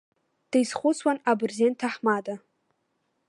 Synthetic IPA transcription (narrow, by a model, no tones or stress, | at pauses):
d̥ajzχʷʊt͡sʰwanabrzentʰaħmada